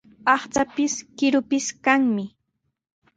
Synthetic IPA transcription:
ɑχt͡sapɪskɪɾʊpɪskaŋmɪ

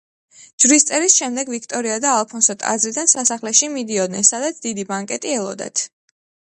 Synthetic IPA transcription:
d͡ʒvɾist̪sʼɛɾisʃɛmd̪ɛɡvikʰt̪ʼɔɾiad̪aːlˠpʰɔnsɔt̪ʼa̰zɾid̪ansasaχlɛʃimid̪iɔd̪nɛnsad̪at̪sʰd̪̥id̪ibaŋkʼɛt̪ʼiɛlˠɔ̰d̪ɛ̰t̪ʰ

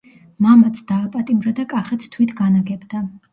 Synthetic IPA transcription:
mamat̪sʰd̪̥aːpʼat̪ʼimɾad̪akʼaχɛt̪st̪ʰwit̪ʰɡanaɡɛbd̪a

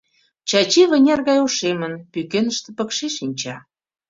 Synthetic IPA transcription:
t͡ɕɑt͡ɕiβə̆nʲɑrɣɑjoʃemənpykenəʃt̪ĕpə̆kʃeʃinʲt͡ɕɑ

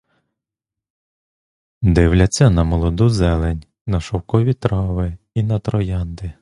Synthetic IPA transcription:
d̪ɪwlʲɐt͡sʲːɐnɐmɔlˠɔd̪uzɛlˠenʲ | nɐʃɔwkɔʋʲit̪ɾɑʋɪ | inɐt̪ɾɔjɑnd̪ɪ

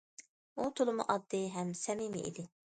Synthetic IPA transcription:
ut̪ʰulˠɨmṵʔɑd̪ːɪɦɛmsɛmimɪ̰ʔḭd̪ɪ

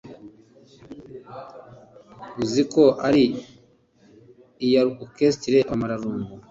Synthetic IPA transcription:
uzikoʔaɾi | jaukestiɾeʔamaɾaɾuːŋɡu

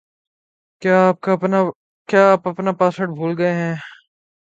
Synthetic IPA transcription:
kjaːp̚kaɐpna | kjaːpɐpnapaːsəɽbʱuːlɡɐeɦɛ̃ː

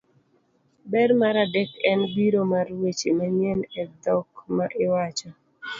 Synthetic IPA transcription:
bɛɾmaɾadekɛnbiɾomarwet͡ʃimɛɲjɛnɛd̪ɔk̚maʔɪwat͡ʃɔ

